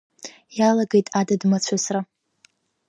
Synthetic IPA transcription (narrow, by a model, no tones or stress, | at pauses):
jalaɡejtʼadadmat͡ɕʷʰasra